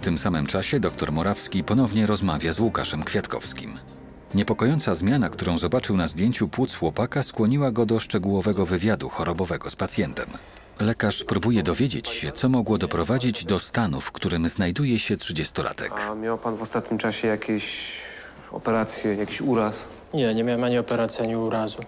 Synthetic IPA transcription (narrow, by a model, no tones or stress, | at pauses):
ft̪ɘmsamɘmt͡ʂaɕɛd̪ɔk̚t̪ɔɾmɔɾafskʲipɔnɔvɲɛɾɔzmavʲjazwuka̰ʂɛmkfʲjat̪kɔ̰fskʲim | ɲɛpɔkɔjɔnt̪sazmʲjanakt̪uɾɔ̃w̃zɔbat͡ʂɘwnazd̪ʲjeɲt͡ɕupwut̪sxwɔpakaskwɔɲiwaɡɔd̪ɔʂt͡ʂɛɡuwɔvɛɡɔvɘvʲjad̪uxɔɾɔbɔvɛɡɔspat̪sʲjɛnt̪ɛm | lɛkaʂpɾubujɛd̪ɔvʲjed͡ʑḛt͡ɕɕɛt̪sɔmɔɡwɔd̪ɔpɾɔvad͡ʑid͡ʑd̪ɔst̪anufkt̪uɾɘmznajd̪ujɛɕɛtʂɘd͡ʑɛst̪ɔlʔa̰t̪ʰɛ̰kamʲjawpanvɔst̪at̪̚ɲimt͡ʂaɕɛjakʲeɕ | ɔ̰pɛɾat̪sʲjɛjakʲiɕuɾas | ɲɛɲɛmʲawɛmaɲiɔpɛɾat̪sʲjaɲiuɾazu